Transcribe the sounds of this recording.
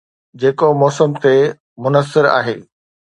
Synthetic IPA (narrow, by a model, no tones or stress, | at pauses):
d͡ʑeːkomɔːsəmt̪e | mʊnəsːɪɾa̰ːɦḛː